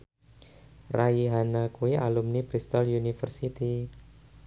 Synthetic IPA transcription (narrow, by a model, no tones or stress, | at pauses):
raiɦanakuiʔalumnipɾist̪ɔljunifərsit̪i